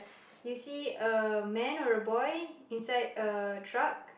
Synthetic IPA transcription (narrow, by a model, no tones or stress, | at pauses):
sjusiəmɛ̃nɔɹəbɔjĩnsaɪdətʰɹak̚